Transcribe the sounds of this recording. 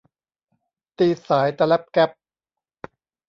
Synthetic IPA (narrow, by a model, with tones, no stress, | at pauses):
t̪iː˧saː˩˦jt̪a˧lɛ˦˥p̚kɛ˦˥p̚